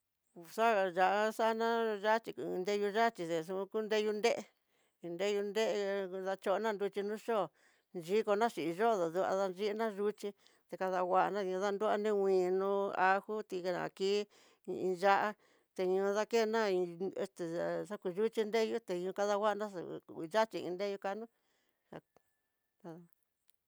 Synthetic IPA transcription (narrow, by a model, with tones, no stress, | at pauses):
sa˦˨ʒa˧ʔa˦sa˦nã˦ʒa˦t͡ʃi˧˨˧nd̪e˦ju˧ʒa˦t͡ʃi˧t̪e˨s̬ũ˧ku˦nd̪e˦ju˧nd̪e˦ʔe˧ | ĩ˧nd̪e˦ju˧nd̪e˦ʔða˧t͡ʃo˧nã˦˧nd̪u˧t͡ʃi˧nũ˦ʃo˦˨ | nʒi˦ko˧nã˦ʃi˨˧ʒo˦˨ðo˨ðu˧a̰˧ða˧n˧i˦nã˦ʒu˦t͡ʃi˧ | t̪e˧ka˧ða˧wʷa˦ʔnã˦˧ɲũ˧ða˦nd̪u˦a̰˧nĩ˦wʷĩː˨nũ˧a˧hu˦t̪i˧˨nã̰˨kiː˦˧ | ḭ̃˧ʒa˦ʔa˦ | t̪e˧ɲũ˧˦ða˦ke˦˧nã˦i˧ḛ˧st̪e˨sa˦ku˧ʒu˦t͡ʃi˧nde˦ju˦t̪e˧ɲũ˧ka˦˧ða˧wʷa˦ʔnã˦sa̰˨˧˨ʒa˦t͡ʃi˧ḭ̃˧nd̪e˦ju˧ka˧nũ˦ | a̰˧ | ka˧ða˧